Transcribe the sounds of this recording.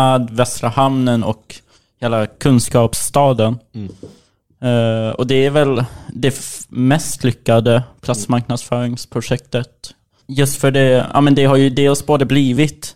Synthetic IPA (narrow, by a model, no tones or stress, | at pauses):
ɛːd̪vɛst̪ɾəhamnənɔ̰k | heːlakʰɵnskɑːpst̪ɑːd̪ən | ɔ̰d̪ɛæɾvɛld̪ɛmɛst̪lʏkːad̪əpʰlat̪smaɾknad̪sfœːɾɪŋspʰɾʊʂɛk̚t̪ət̪ | jɵst̪fœɖɛa̰ːmɛnd̪ɛɦaɾjɵd̪eːlsboːd̪əbliːvɪt̪